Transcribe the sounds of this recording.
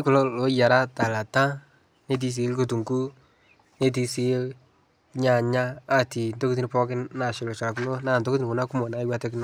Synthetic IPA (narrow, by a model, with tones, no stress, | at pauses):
ɪ˦kʊ˨lɔ˦lo˨˦ja˨ɾa˦ta˨la˨ta˦ | ne˦t̬i˨˧s̬i˨˦lko˨tu˨ŋku˦ | ne˦t̬i˧si˨˦l | ɲa˨ɲaː˦˨ti˨nto˦ku˦ti˦ni˦pɔ˦kɪ˦na˨ʃe˨lɔ˨t͡ʃa˨la˨ku˦no˦naː˦˨nto˦ku˦ti˦˨ku˨na˦kʊ˦mɔ˨na˨ɪ˦wa˦tɛ˦k̬ɪ˦nɔ˦